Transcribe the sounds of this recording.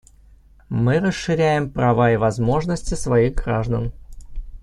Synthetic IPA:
mɨɾəsʂɨɾʲæjɪmpɾɐvaɪvɐzmo̞ʐnəsʲtʲɪsvɐiɣɡɾaʐd̪ən

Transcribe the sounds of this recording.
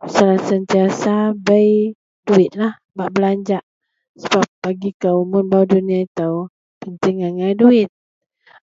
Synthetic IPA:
səlasənt̪iasabəj | duɪt̪̚lah | baʔbəlaɲd͡ʒaʔ | səbap̚b̥aɡikəwmʊnbawduniait̪aw | pənt̪ɪŋaŋajduɪt̪̚

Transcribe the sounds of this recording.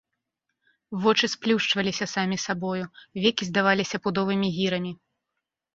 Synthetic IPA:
vɔt͡ʂɨsplʲuʂt͡ʂvɐlʲisʲɐsamʲisabɔjuvʲɛkʲizd̪avalʲisʲɐpud̪ɔvɨmʲiɣʲiɾɐmʲi

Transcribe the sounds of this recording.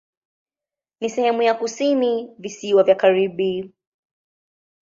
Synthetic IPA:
nisɛhɛmujakusinivisiwavjakaɾiɓi

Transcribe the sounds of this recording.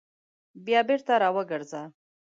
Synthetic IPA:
bjɑbeɾt̪aɾɑwəɡəɾza

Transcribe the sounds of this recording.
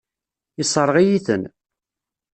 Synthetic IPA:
isˤəɾˤʁijiθən

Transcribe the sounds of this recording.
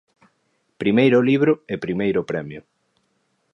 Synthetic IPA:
pɾimejɾʊliβɾʊepɾimejɾʊpɾɛmjʊ

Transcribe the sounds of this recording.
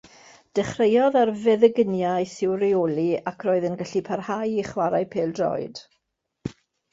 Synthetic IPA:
d̥ɛχrejɔðarvɛðəɡənjajsɪwrɪoːliakʰroːɨðənɡaɬipʰarhajiχwaɾajpʰeːlˠdrɔ̰ɨd̥

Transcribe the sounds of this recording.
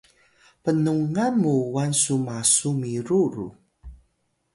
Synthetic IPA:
pənuŋamuuwansumasumiɾuɾṵ

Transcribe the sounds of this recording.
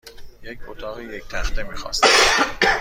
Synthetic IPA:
jecʰʲot̪ʰɒːɣiːject̪ʰæxt̪emiːxɒ̰ːst

